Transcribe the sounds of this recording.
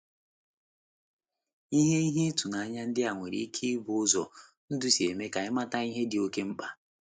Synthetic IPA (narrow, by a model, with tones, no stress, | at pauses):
i˦ɦe˦i˦ɦe˦tu˨na˨a˦ɲa˦n̩˦dɪ˦a˨ŋʷe˨ɾḭ˨˦kʰi˦bʊ˨˦ʊ˦zɔ̰˨ | n̩˦dʊ˦si˨e˨me˦ka˨ɪ˦ma˦ta˦i˦ɦe˦dɪ˨o˦ke˦m̩˦k͡pa˦